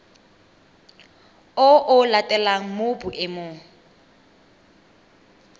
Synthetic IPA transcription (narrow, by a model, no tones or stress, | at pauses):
ʊʔʊlatʼɛlaŋ̩mʊbuʔɪmoːŋ̩